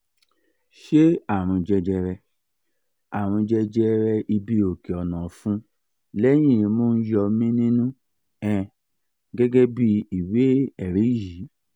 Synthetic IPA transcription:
ʃe˦a˦˨ɾ̃ũ˧d͡ʒɛ˧d͡ʒɛ˧ɾɛ˧ | a˨ɾ̃ũ˧d͡ʒɛ˧d͡ʒɛ˧ɾɛ˧ʔi˧bi˦o˨ke˨ɔ˨nã˨fũ˦ | lɛ˦j̃ĩ˦˨i˧mo˦n̩˦jɔ˧mĩ˦nĩ˦nũ˦ | ɛ̃˨ | ɡɛ˦ɡɛ˦bi˦i˨we˨˦ɛ˨ɾe˨˦i˦˨ji˨˦

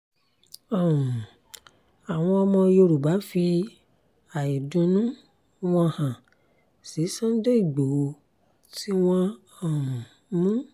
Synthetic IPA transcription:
ɔ˦˨ũ˨ | a˨w̃ɔ̃˧ɔ˧mɔ̃˧jo˧ɾu˨ba˨˦fi˧ | a˨i˨dũ˧nũ˦ | w̃ɔ̃˧hã˨ | si˨˦sã˦n̩˦de˦i˦˨ɡ͡bo˨o˧ | ti˦w̃ɔ̃˦ | ɔ˦˨hũ˨˦ | mũ˦

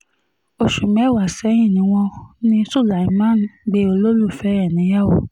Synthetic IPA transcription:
o˨ʃu˨mɛ˨˦˨wa˨sɛ˨˦j̃ĩ˦˨nĩ˨˦w̃ɔ̃˧nĩ˦su˦˨la˨i˨˧˦mã˦n˨ɡ͡be˧˦o˧lo˦lu˦˨fɛ˨˦ɛ˦˨nĩ˨˦ja˦˨o˨

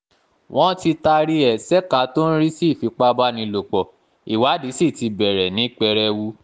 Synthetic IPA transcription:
w̃ʔɔ̃˦ti˧ta˧ɾi˦ɛ˨sɛ˦ka˨˦to˦n̩˦ɾi˦si˦˨fi˨˧k͡pa˦ba˦nĩ˧lo˨k͡pɔ˨ | i˨wa˨˦di˨˦si˦˨ti˧bɛ˨ɾɛ˨nĩ˨˦k͡pɛ˧ɾɛ˧wu˦

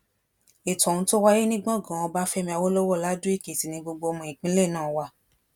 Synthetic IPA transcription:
e˨tɔ̃˨ũ˧˦to˦wa˦je˦nĩ˦ɡ͡bɔ̃˦˨ɡã˨ɔ̃˧ba˦fɛ˦mĩ˧a˧wo˦lo˦wɔ˦˨la˦dũ˦i˦˨ke˨ti˨nĩ˧ɡ͡bo˧ɡ͡bo˧o˧mɔ̃˧˨ĩ˨k͡pĩ˦le˦˨nãː˦˨wa˧˦

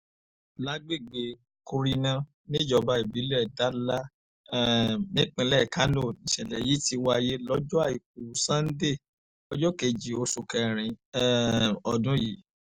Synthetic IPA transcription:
la˨˦ɡ͡be˦˨ɡ͡be˨ | ku˧ɾi˧nã˦ | nĩ˦˨d͡ʒɔ˧ba˧˦i˨bi˨˦lɛ˦˨da˨˦la˦˨ | nĩ˦k͡pĩ˧lɛ˦˨ka˨˦lo˦˨nĩ˨ʃɛ˨lɛ˨ji˨˦ti˧wa˧je˦lɔ˦d͡ʒɔ˦a˦˨i˨k̚u˨sã˦n̩˦de˦˨ | ɔ˦d͡ʒɔ˦ke˧˨d͡ʒi˨o˧su˧kɛ˧ɾ̃ĩ˧˦ | ɔ˧dũ˦ji˨˦

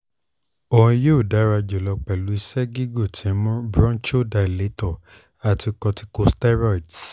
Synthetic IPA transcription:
o˨ɔ̃˧je˦u˦˨da˨˦ɾa˧d͡ʒɔ˨lɔ˧k͡pɛ˨lu˨˦i˧sɛ˦ɡi˦ɡo˦˨tʰĩ˨ɛ˦mɔ̃˦bɾɔ̃˦t͡ʃo˦da˧˨le˨˦tɔ˨ | a˨ti˧kɔ˧ti̥˧˦ko˧stɛ˦ɾa˦˨t

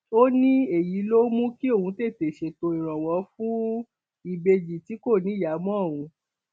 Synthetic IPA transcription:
o˦nĩ˦e˨ji˨˦lo˦mũ˦ki˦o˦˨hũ˨˧˦te˦˨te˨ʃe˧˨to˧i˨ɾ̃ɔ̃˨wɔ˨˧˦fũ˦ | i˦˨be˧d͡ʒi˨ti˨˦ko˦˨nĩ˨˦ja˨˦mɔ̃˦˨wũ˧˦

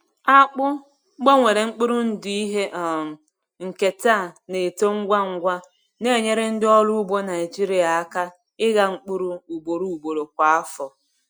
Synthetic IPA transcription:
a˦k͡pʊ˦ | ɡ͡bo˦ŋʷe˨ɾe˨ŋ͡m̩˦k͡pu˦ɾu˦n̩˦di˦i˦ɦe˦ʔ | ŋ̩˨ke˨ta˦˨ne˨to˦ŋ̩˦ɡʷa˦ŋ̩˦ɡʷa˦ | ne˦˨ɲe˦ɾɪ˦n̩˦dɪ˦ɔ˦lʊ˦ʊ˦bo˦na˨ɪ˨d͡ʒi˦ɾi˦a˨a˦ka˦ | ɪ˦ɣa˦ŋ͡m̩˦˨k͡pu˦ɾu˦u˨bo˨ɾu˦u˨bo˨ɾo˨kʷa˨a˦fɔ˨

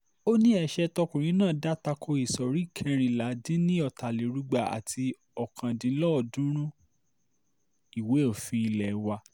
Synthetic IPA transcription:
o˦nĩ˦ɛ˦˨ʃɛ˧tɔ˧kũ˨ɾ̃ĩ˨˦nãː˦˨da˦ta˧kʰo˧i˨sɔ˨ɾi˦˨kʰɛ˧ɾ̃ĩ˧la˨˦dĩ˦nĩ˦ɔ˦˨ta˨le˨˦ɾu˦ɡ͡ba˧a̰˨ti˧ | ɔ˨kʰã˨dĩ˨˦lɔ˦ɔ˨dũ˦ɾ̃ũ˦ | i˨we˨˦o˦˨fĩ˧i˧lɛ˨˦wa˧˦

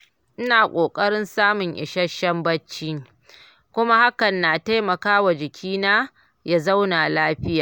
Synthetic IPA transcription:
ʔɪ˦naː˨kʷʼoː˨kʼɐ˦ɽɪ˦nsaː˦mʊ˨ŋʔɪ̰˨ʃɐ˦ʃɐ˦mbɐ˦t͡ʃːiː˦ŋ | kʷʊ˦ma˦ha˦kɐ˨nːaː˨ta˦jmɐ˨kaː˦wa˨d͡ʒɪ˨kʲʰiː˦naː˦ | ja˦˨za˦wnaː˨laː˦ɸɪ˦jaː˨

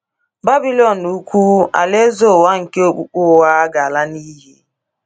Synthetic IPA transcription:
ba˦bi˦lɔ˨n̩u˦kʷu˦a̰˨le˦zo˦˨wa˦ŋ̩˨ke˦o˦k͡pu˦k͡pu˦˨wa˦a˦ɡa˨a˨la˦ni˦ɦi˦

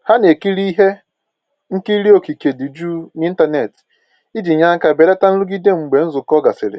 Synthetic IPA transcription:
ha˦ne˨ki˦ɾi˦ɦe˦ | ŋ̩˦ki˦ɾi˦o˨ki˨ke˨di˨d͡ʒu˦ni˦n̩˦ta˨ne˨t | i˦d͡ʒi˨ɲa˦ŋ̩˦ka˨be˨ɾa˦ta˦n̩˦lu˦ɡi˦de˦ŋ͡m̩˨ɡ͡be˨n̩˦zʊ˨kɔ˦ɡa˨sɪ˨ɾɪ̰˨

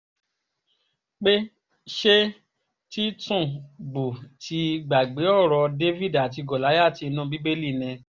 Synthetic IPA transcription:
k͡pe˦ | ʃe˦ | ti˦tũ˦˨ɡ͡bu˨tʰi˧˦˧ɡ͡ba˨ɡ͡be˨˦ɔ˦˨ɾɔ˧de˦vi˦˨da˨t̬i˧ɡɔ˨la˨˦ja˦˨ti˧i˧nũ˦bi˦be˦li˦˨nɛ̃˧

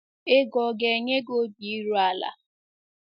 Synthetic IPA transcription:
ɪ˦ɡɔ˨ɡe˨ɲe˦ɡo˦bi˨˦ɾu˦a˦la̰˨

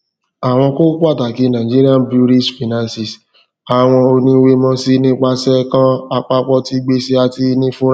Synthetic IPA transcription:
a˨w̃ɔ̃˧ko˦ku˦a˦˨ta˨ki˧˦nã˨d͡ʒi˦ɾi˦a˦nbɾu˦ɾi˦ʃfi˨nã˨nsi˨s | a˨w̃ɔ̃˧o˧nĩ˧˦we˧mɔ̃˦si˦nĩ˦k͡pa˧sɛ˦kã˦a˧k͡pa˦k͡pɔ˦ti˦ɡ͡be˦se˧a˧ti˧nĩ˦fũ˦ɾ

